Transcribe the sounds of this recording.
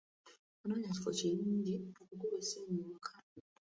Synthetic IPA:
onaɲacifoceɾiːɲɟinokukuβeseːɲuːkʰa

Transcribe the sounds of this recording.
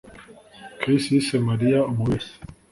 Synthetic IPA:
kʰisisemaɾijaomuwesi̥

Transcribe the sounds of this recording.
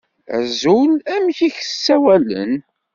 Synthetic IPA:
æ̰zulæmçiçəsːæwælə̰n

